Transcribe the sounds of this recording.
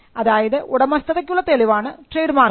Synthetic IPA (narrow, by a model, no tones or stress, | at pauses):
ɐðaːjɐðɨʔuɽɐmɐst̪ɐðekʲːuɭːɐt̪eliʋaːɳɨʈreːɖɨmaːr